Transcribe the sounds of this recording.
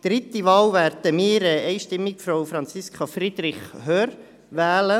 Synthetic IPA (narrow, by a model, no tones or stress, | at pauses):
d̪̥ɾɪt̪iʋɑːwʋæɾd̥əmiːɾɛɛɪʃtɪmːikfɾowfɾɑnt͡siskʰɑfrid̪ɾɪχhøːɾ | ʋɛːlə